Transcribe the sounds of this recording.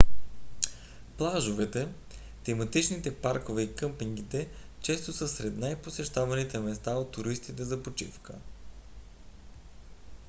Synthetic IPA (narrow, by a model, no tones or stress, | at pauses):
plˠaʒʊvɛt̪ɛ | t̪ɛmɐt̪it͡ʃnit̪ɛpaɾkʊvɛikɤmpiŋɡit̪ɛt͡ʃɛst̪ʊsəsɾɛd̪najposɛʃt̪avɐnit̪ɛmɛst̪aot̪ːʊɾist̪it̪ɛzɐpot͡ʃḭfkə